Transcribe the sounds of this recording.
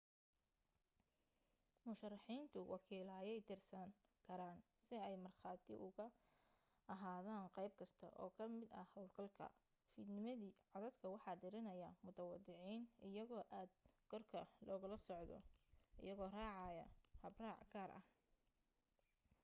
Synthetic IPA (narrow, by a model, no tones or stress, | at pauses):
mʊʃɐrːɑħiːnt̪ʰʊwʔɑkʰiːlɐɐjɛjt̪ʰɪrsɐŋkʰɐɾaːn | sɪɛjmɐrχɑːt̪ʰɪʔʊɣɐ | ʔɐɦaːðaːnqɛjb̚kʰɐst̪ʰɐ̰ʔɔ̰ːkʰɐmɪd̪ɐ̰hɐwlɡʰɐlkʰɐ̰ | fiːd̪nɪmɐðiːʕɑðɐd̪kʰɐwɑħɑːd̪ɪɾɪnɐjɐmʊt̪ʰɐwɑd̪ɪʕiːnɪjɐɣɔːʔaːd̪̚ɡɔrkʰɐlɔːɣɐlɐsɔʕd̪ɔ̰ɪ̰jɐɣɔːraːʕɑjɐ̰hɐbraːʕɡaːrʔɐ̰h